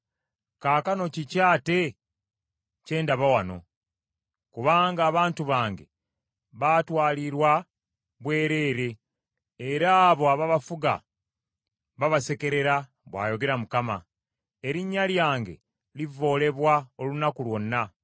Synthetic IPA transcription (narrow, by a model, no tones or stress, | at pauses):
kaːkano̞cicaːte̞ | ce̞ːndaβawano̞ | kuβaːŋɡaːβaːntuβaːŋɡe̞̰ | βatwaːliɾwa | βwe̞ːɾe̞ːɾe̞ː | ɾaːβo̞aβaβafuɡa̰ | βaβase̞ke̞ɾe̞ɾa | βwa̰ːjo̞ɡe̞ɾamukama̰ | eɾiɲːaljaːŋɡe̞̰ | livːo̞ːle̞βwaolunakulwo̞nːa